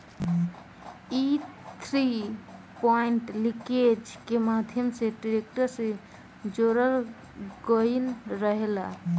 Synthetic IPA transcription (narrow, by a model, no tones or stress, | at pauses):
it̪ʰɾi | pɔiɳʈliked͡ʒkemad̪ʱjəmseɖiɾek̚ʈəɾsẽ | d͡ʒoɾəl | ɡəjnɾəɦela